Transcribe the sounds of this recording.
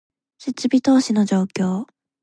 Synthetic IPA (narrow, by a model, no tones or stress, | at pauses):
ɕit͡ɕːibʲit̪oːɕinod͡ʑoːkʲjoː